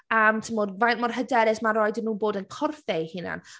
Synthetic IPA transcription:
əːmtʰəmoːdvajnmɔrɦədɛɾɛsmaɾɔɨdɪnuːboːdənkʰɔrfejhɪna̰n

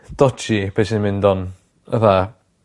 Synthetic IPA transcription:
d̥ɔt͡ʃib̥ʰesɪnmɪndɔn | ə̰ða

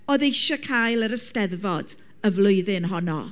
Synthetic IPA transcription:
ɔðejʃɔkʰajlˠəɾəstɛðvɔd̥ | əvlˠʊɨðɪnɦɔnɔ̰

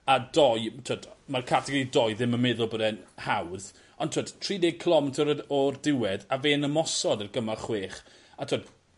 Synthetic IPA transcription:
adɔjtʰoːdmarkʰatʰɛɡɔɾidɔjðɪmənmɛðʊlˠbədɛnhawð | ɔntʰoːd̥tʰriːneɡ̚kʰəlˠɔmɛtʰəɾəɔrdɪwɛdaveːnəmɔsɔdərɡəmaχweːχ | atʰoːd

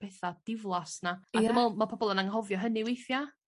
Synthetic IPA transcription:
pʰɛθad̥ɪvlˠasnaaəmɛlˠmapʰɔbɔlˠənaŋɦɔvjɔɦənɪwejθja

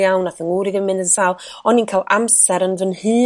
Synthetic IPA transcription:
awnaθəŋuːɾiɡəmɪnəsalˠɔniːnkʰaːlˠʔamsɛɾənvənhɨː

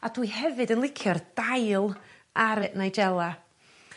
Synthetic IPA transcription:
ad̥wihɛvɨdənlˠɪkʰjɔrd̥ajlˠ | aɾəʔnajd͡ʒɛlˠa

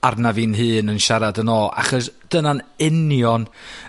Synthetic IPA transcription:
arnavinɦɨːnənʃaɾadənɔːʔa̰χɔsd̥ənanɪnjɔn

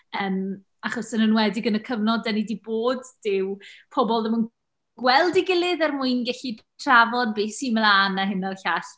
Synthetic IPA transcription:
əːm | aχɔsənənwɛdɪɡənəkʰəvnɔdɛnidiboːd̥ːɪwpʰɔbɔlˠðəmən | ɡ̥wɛlˠdiɡɪlˠɨðɛrmuɨnɡɛɬitʰravɔd̚bɪːsimlˠaːnaɦɪnarɬaɬ

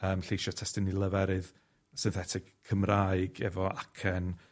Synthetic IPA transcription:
əːmɬejʃɔtʰɛstɪnilˠəvɛɾɨð | sɪnθɛtʰɪkkʰːəmraːɨɡɛvɔʔakʰɛn

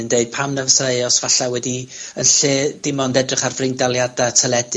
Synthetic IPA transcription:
ndeɨd̚pʰamnəvəseɨɔsvaɬawɛdiənɬeːd̥ɪmɔndɛdrɪχarvrɪndalˠjadatʰəlˠɛd

